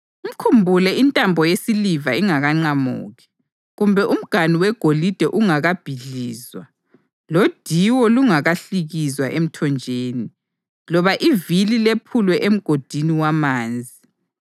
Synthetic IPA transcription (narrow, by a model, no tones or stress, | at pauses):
um̩kʰumbʱulɛintʼambʱɔjesilivaiŋaɣaŋ͡ǀamṵːɣi | ɣumbʱɛʔum̩ɡ̥ʱaniwɛɡ̥ʱolid̥ʱɛʔuŋaɣab̥ʱiɮiːzwa | lod̥ʱiwɔluŋaɣaɬiɣizwaʔem̩tʰɔnd͡ʒʱeːni | lɔβaʔivililepʰulwɛʔem̩ɡ̥ʱod̥ʱiniwamaːnd͡zʱi